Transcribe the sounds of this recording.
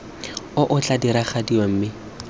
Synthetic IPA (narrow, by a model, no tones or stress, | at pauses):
ʊʔʊt͡ɬʼadiɾaχadiom̩mɪ